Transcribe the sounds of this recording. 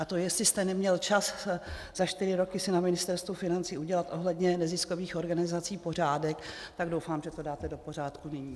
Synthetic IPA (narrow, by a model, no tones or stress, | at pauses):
ʔat̪ojɛst̪lɪst̪ɛnɛmɲɛlt͡ʃas | z̥aʃt̪ɪɾɪɾo̞kɪsɪnamɪnɪst̪ɛɾst̪vufɪnant͡siːuɟɛlat̪ʔo̞ɦlɛdɲɛnɛzɪsko̞viːxʔo̞ɾɡanɪzat͡siːpo̞r̝aːdɛkt̪aɡdo̞wfaːmʒɛt̪o̞daːt̪ɛdo̞po̞raːt̪kunɪɲiː